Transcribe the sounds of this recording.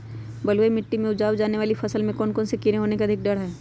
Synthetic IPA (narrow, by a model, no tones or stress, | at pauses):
bɐlwemɪʈːimẽʊd͡ʒaːwd͡ʒaːneʋaːlifʰɐsəlmẽkɔːnkɔːnsekɪɾeɦoːnekeɐd̪ʱɪk̚ɖɐɽɦɛː